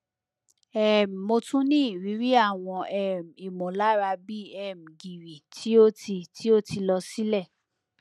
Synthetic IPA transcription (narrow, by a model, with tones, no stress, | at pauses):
ɛ˦˨m˨mo˧tũ˦nĩ˦i˨ɾi˨˦ɾi˦a˦˨w̃ɔ̃˧ʔɛ˦˨m̩˨i˨mõ˨la˦ɾa˧bi˦ɛ˦˨m̩˨ɡi˨ɾi˨tʰi˦o˦ti˧tʰi˦o˦ti˧lɔ˧si˦lɛ˦˨